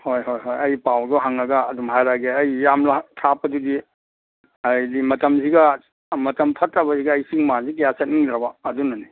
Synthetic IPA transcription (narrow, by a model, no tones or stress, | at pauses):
hojɦojɦojɐjpawduɦaŋɐɡɐːdumɦajɾaɡeɐjːamlatʰapɐdudi | ɐjdimɐtɐmsiɡɐ | mɐtɐmpʰɐtːɐbɐziɡɐːjsiŋmazikijasɐt̚niŋd̪ɾɐbɐːdunɐni